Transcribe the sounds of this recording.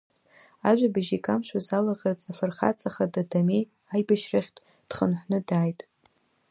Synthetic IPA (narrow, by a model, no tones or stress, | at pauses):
aʒᶣʷabɨʒikʼamʃʷʰᶣazalaʁərt͡sʼafɨrχa̰t͡sʼaχadadamej | ajbaʃraχʲtʼ | d̥χənħʷnɨdaːjtʼ